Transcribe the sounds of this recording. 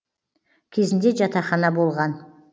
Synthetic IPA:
kʲʰe̞zɪnd̪e̞ʒɑt̪ɑχɑnɑbo̞lˠʁɑn

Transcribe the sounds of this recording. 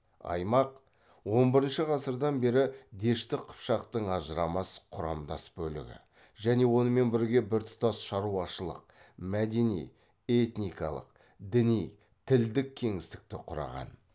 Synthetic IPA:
ɑ̰jmɑq | wo̞nbɪɾɪnʃəʁɑsəɾd̪ɑnbe̞ɾɪd̪e̞ʃt̪ɪqʰʊ̥pʃɑqt̪əɴɑʒəɾɑmɑsqʰʊɾɑ̰md̪ɑ̰sbɵlɪ̰ɡʲɪ̰ | ʒæne̞wo̞nəme̞nbɪɾɡʲe̞bɪɾt̪ʰʊ̥t̪ɑsʃɑɾuɑʃəlˠə̰q̚mæd̪e̞nij | e̞t̪nijkɑlˠə̰q̚ | d̪ɪnij | t̪ʰɪld̪ɪkʲʰːe̞ŋɪst̪ɪ̥k̚t̪ɪqʰʊɾɑ̰ʁɑ̰n

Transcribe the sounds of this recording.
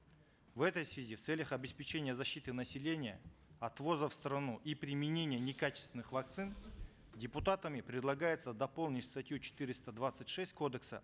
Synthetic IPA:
vɛt̪əjsvʲɪzʲift̪sɛlʲəxɐbʲɪspʲɪt͡ɕenʲɪjəzɐɕːit̪ɨnɐsʲɪlʲenʲɪjə̰ɐt̪vo̞zəfst̪ɾɐnuʔipɾʲɪmʲɪnʲenʲɪjənʲɪkat͡ɕɪ̥st̪vʲɪnːɨxvɐk̚t̪sɨn | dʲɪpʊt̪at̪əmʲɪpɾʲɪd̪lˠɐɡajɪt̪səd̪ɐpo̞lˠnʲɪtʲst̪ɐtʲjut͡ɕɪ̥t̪ɨɾʲɪst̪əd̪vat̪sɨtʲʂɛsʲt̚ʲko̞d̪əksə̰

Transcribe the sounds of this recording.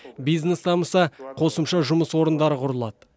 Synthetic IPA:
bijznest̪ʰɑməsɑqʰo̞səmʃɑʒʊməswo̞ɾənd̪ɑɾəqʰʊɾəlˠɑ̰d̪ə

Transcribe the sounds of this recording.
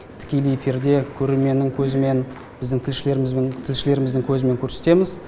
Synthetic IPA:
t̪ʰɪ̥kʲe̞lijefiɾd̪e̞kʲʰɵɾe̞lmʲe̞nːɪŋkʲʰɵzɪme̞n | bɪzd̪ɪŋt̪ʰɪlʃɪle̞ɾmzt̪ʰɪlʃɪle̞ɾɪmɪzd̪ɪŋkʲʰɵzɪme̞ŋkʲʰɵɾse̞̥t̪e̞mɪz

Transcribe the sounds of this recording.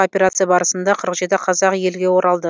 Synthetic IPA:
opʲe̞ɾat̪sɨjabɑɾəsənd̪ɑqʰəɾəqʒe̞t̪ɪqʰɑzɑqje̞lɡʲe̞wo̞ɾɑlˠd̪ə

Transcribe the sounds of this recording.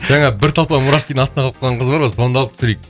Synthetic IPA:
ʒ̥æŋɑbɪɾt̪ʰɑlˠp̪ɑmʊɾɑʃkʲijd̪ɪɴɑst̪nɑqɑlˠp̚qʰɑlˠʁɑɴqəzbɑɾmɑso̞nd̪ɑlˠəp̚t̪ʏ̥sɪɾejk̚

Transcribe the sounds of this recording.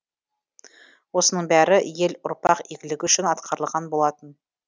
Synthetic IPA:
wo̞sənəɴbæɾɪjelʊɾpɑqiɡʲɪlɪɡʲɪʏʃɪnɑt̪qʰɑɾəlˠʁɑnbo̞lˠɑt̪ən

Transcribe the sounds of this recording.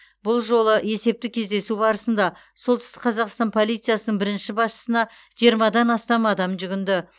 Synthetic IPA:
bʊlˠʒo̞lˠəe̞se̞p̚t̪ɪkʲʰe̞zd̪e̞subɑɾəsənd̪ɑ | solˠt̪ʰɪst̪ɪ̥k̚qʰɑzɑqst̪ɑnpʰo̞lˠijt̪sɨjasənəɴbɪɾɪnʃɪbɑsʃə̥sənɑ | ʒ̥ijəɾmɑd̪ɑnɑst̪ɑmɑd̪ɑmʒʏɡʲɪnd̪ɪ

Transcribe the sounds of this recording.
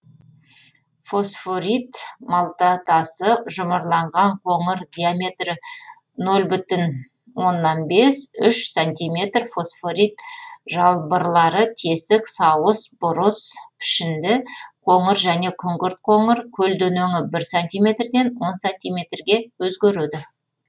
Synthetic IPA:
fo̞sfo̞ɾit̪mɑlˠt̪ɑt̪ɑsəʒʊməɾlˠɑɴʁɑɴqʰo̞ɴəɾd̪ʲijamʲe̞t̪rɪ | nɵlbʏt̪ɪn | wo̞nːɑnbe̞sʏʃsant̪ʲijmʲe̞t̪rfo̞sfo̞ɾijt̪ʒɑlˠbəɾlˠɑɾət̪ʰe̞sɪksɑwəsbʊɾəspʰɪ̥ʃɪnd̪ɪqʰo̞ɴəɾʒæne̞kʲʰʏŋɡʲɪɾt̪̚qʰo̞ɴəɾkʲʰɵld̪ɵnɵŋɪbɪɾsanʲt̪ijmʲe̞t̪rd̪e̞nwo̞nsanʲt̪ijmʲe̞t̪rɡʲe̞wɵzɡʲeɾud̪ɪ

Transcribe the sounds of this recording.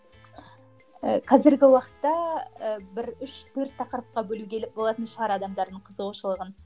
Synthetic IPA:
əqʰɑzɪɾɡʲɪwɑqə̥t̪ːɑəbɪɾʏʃt̪ʰɵɾt̪ʰːɑqəɾəp̚qɑbɵluɡʲebo̞lˠɑt̪ənʃəʁɑɾɑd̪ɑmd̪ɑɾd̪əɴqʰəzəʁoʃəlˠəʁən

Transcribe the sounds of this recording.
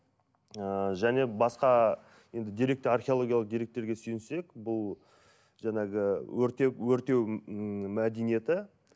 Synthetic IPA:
əʒæne̞bɑsqɑ | je̞nd̪ɪd̪iɾe̞k̚t̪ɪarχʲeo̞lˠo̞ɡʲijalˠəq̚d̪ijɾe̞k̚t̪ːe̞ɾɡʲe̞sʏjɪnse̞kbʊlˠ | ʒɑɴɑɡʲɪwɵɾt̪ewɵɾt̪e̞wmæd̪enije̞t̪ɪ

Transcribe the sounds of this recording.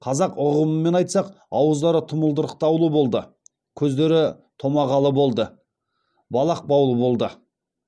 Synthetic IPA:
qʰɑzɑqʊʁəməmːe̞nɑjt̪sɑq | ɑwəzd̪ɑɾət̪ʰʊməlˠd̪əɾəq̚t̪ɑwlˠəbo̞lˠd̪ə | kʲʰɵzd̪e̞ɾɪ | t̪ʰo̞mɑʁɑlˠəbo̞lˠd̪ə | bɑlˠɑq̚bɑwlˠəbo̞lˠd̪ə

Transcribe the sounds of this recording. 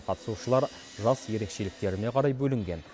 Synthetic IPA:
qʰɑt̪ə̥suʃəlˠɑɾ | ʒɑsje̞ɾe̞kʃe̞lɪk̚t̪e̞ɾɪne̞qʰɑɾɑjbɵlɪŋɡʲe̞n

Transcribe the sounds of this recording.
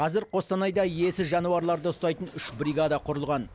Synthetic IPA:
qʰɑzɪɾqʰo̞st̪ɑnɑjd̪ɑe̞sɪʒɑnuɑɾlˠɑɾd̪əʊst̪ɑjt̪ənʏʃbɾʲiɡad̪ɑqʰʊɾəlˠʁɑn

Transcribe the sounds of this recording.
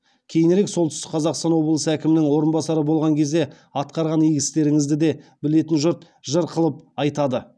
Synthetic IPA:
kʲʰe̞jɪneɾe̞ksot̪ʏ̥st̪ɪ̥qʰɑzɑqst̪ɑnwo̞blˠəsəækʲɪmɪnɪŋwo̞ɾənbɑsɑɾəbo̞lˠʁɑŋkʲʰe̞zd̪e̞ | ɑt̪qɑɾʁɑnijɡʲɪst̪e̞ɾɪŋɪzd̪ɪd̪e̞bɪle̞t̪ɪnʒʊɾt̪ | ʒəɾqʰəlˠəp̚ɑjt̪ɑd̪ə

